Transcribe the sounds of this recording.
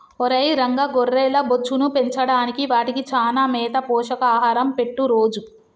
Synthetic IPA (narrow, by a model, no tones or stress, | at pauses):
ɔɾɐjɾɐŋɡɐɡɔrːeːlɐbot͡ʃːunupe̞ɲt͡ʃɐɽaːnikiʋaːʈikit͡ʃaːnaːmɛːt̪ɐpɔːʃɐkaːɦaːɾɐmpe̞ʈːuɾoːd͡ʒu